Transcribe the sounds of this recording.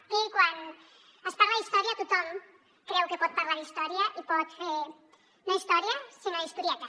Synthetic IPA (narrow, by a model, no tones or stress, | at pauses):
ikwan | əspaɾlaðist̪ɔɾjiat̪ut̪ɔm | kɾɛwkepɔt̪̚paɾlaɾðist̪ɔɾiaʔipɔt̪feɾ | noist̪ɔɾjasinaist̪uɾiɛt̪a